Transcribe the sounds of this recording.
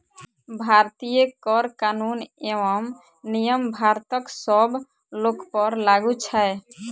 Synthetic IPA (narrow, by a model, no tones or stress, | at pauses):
bʱaɾt̪ijekɔɾkanunewɔm | nijəmbʱaɾt̪ɔksɔb | lokpɔɾlaɡut͡ʃʰae